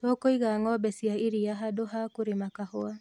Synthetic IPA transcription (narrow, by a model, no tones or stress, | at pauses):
tɔkoiɣaŋɔbɛsiaiɾijaɦadoɦakuɾɪmakahoa